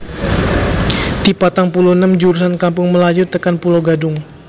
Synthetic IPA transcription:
dipat̪aŋpulonamd͡ʒuɾusankampʊŋməlad͡ʒʊt̪ːəkanpulawɡadʊŋ

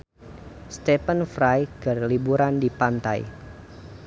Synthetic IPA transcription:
st̪ɛpənfɾajɡ̥arlibuɾandipant̪a̰j

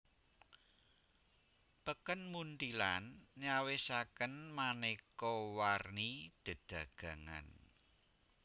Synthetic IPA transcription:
pəkənmunt̪ilanɲawesakənmanekɔwarnid̪̥ə̤d̪̥a̤ɡ̥ä̤ŋa̰n

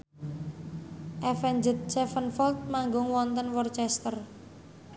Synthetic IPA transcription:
ʔɛfɛnd͡ʒət̪̚sɛfənfɔlt̪̚maŋɡʊŋwɔnt̪ənwɔrt͡ʃɛst̪ər

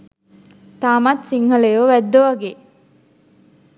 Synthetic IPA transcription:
t̪aːmat̪siŋhəlejoʋæd̪ːoʋaɡe

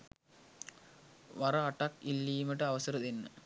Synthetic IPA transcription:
ʋaɾaːʈakilːiːməʈəaʋəsəɾəd̪enːə̰

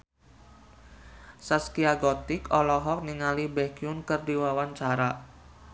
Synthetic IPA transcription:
saskiaɡɔt̪ɪkɔlɔɦɔk̚niŋalibɛɡiʊnkərdiwawaɲt͡ʃaɾa

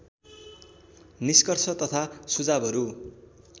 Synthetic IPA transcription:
niskʌrsʰʌt̪ʌt̪ʰasud͡zabʱʌɾu

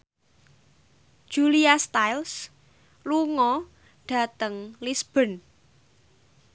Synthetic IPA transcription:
d̥ʒ̥uliast̪ajls | luŋɔ | ɖ̥ä̤t̪əŋlisb̥ə̤n

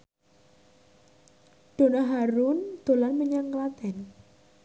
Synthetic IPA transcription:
ɖ̪̥o̤naɦaɾund̪̥o̤lanməɲaŋklat̪ɛn

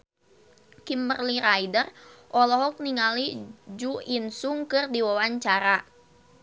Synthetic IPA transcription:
kimbərliɾaidərʔɔlɔɦɔk̚niŋalid͡ʒuinsuŋkɨrdiwawaɲt͡ʃaɾa

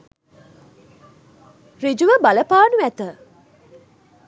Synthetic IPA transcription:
rid͡ʒuʋəbaləpaːnuʋæt̪ə

